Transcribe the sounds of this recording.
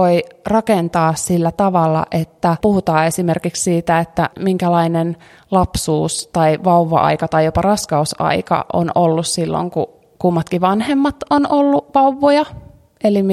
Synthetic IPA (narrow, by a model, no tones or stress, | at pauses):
oirɑkent̪ɑːssilːæt̪ɑʋɑlːɑ̰ʔet̪ːæpuhut̪ɑːesimerkikssiːt̪æet̪ːæmiŋkælɑinen | lɑpsuːst̪ɑiʋɑuʋːɑ̰ʔɑ̰ikɑt̪ɑijopɑrɑskɑusɑ̰ikɑ̰ʔo̰nolːussilːo̰ŋkṵ | kumːɑt̪kiʋɑnhemːɑt̪onolːuʋɑuʋːojɑ | elim